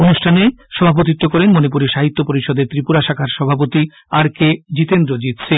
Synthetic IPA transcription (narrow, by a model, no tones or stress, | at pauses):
onuʃʈʰaneʃɔbʱap̬ot̪̬it̪ːokɔɾenmonipuɾeʃaɦit̪ːopoɾiʃɔd̪eɾt̪ɾipuɾaʃakʰaɾʃɔbʱap̬ot̪i | aɾked͡ʑit̪end̪ɾod͡ʑit̪ɕʰe